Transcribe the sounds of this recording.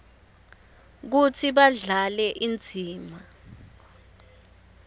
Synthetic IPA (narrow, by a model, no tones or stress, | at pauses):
k̬ut͡sʰiɓaɮalɛʔind͡zʱiːma